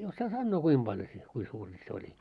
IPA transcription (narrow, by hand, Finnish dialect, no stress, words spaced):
osːɑː sɑnːoː kuim b̥ɑljo se kui suːri se olʲi